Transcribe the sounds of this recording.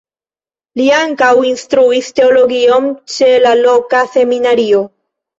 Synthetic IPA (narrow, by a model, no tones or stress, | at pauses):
liaŋkawinstɾuiste̞olo̞ɡio̞nt͡ʃe̞lalo̞kase̞minaɾio̞